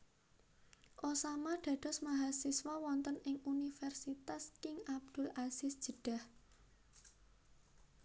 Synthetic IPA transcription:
ʔosamaɖ̥ä̤d̪̥ɔ̤smaɦalsiswɔwɔnt̪ənɪŋunifɛrsit̪askɪŋab̚d̪̥ʊ̤lʔasɪsd̥ʒ̥ə̤ɖ̥a̤h

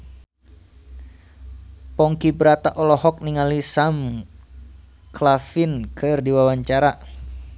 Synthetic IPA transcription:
pɔŋkibəɾat̪aʔɔlɔɦɔk̚niŋalisam | klafinkʰɨrdiwawaɲt͡ʃaɾa

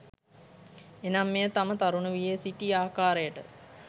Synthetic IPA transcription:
enamːejət̪amət̪aɾunəʋijesiʈiaːkaːɾəjəʈə

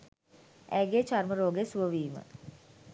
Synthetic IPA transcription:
ʔæːɡet͡ʃarməɾoːɡesuʋəʋiːmə̰

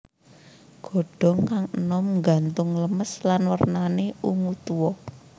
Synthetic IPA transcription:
ɡ̥ɔ̤ɖ̥ɔ̤ŋkaŋənɔmŋɡa̤nt̪ʊŋləməslanwərnaneuŋut̪uwɔ

